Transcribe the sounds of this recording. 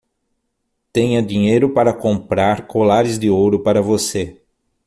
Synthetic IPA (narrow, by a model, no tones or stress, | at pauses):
t̪ẽɲɐd̪ĩɲejɾʊpaɾɐkõmpɾaɾkolaɾɪzd̪ɪowɾʊpaɾɐvose